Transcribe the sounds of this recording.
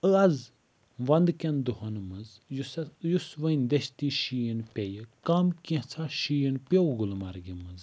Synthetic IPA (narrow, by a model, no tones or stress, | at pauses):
əɐz | ʋɐnd̪kʲɐnd̪uɦɐnmɐz | jjusʋɐnʲd̪eʃt̪iːʃijənpʲejəkɐmkĩt͡sʰaʃijinpʲewɡulmaɾɡimɨz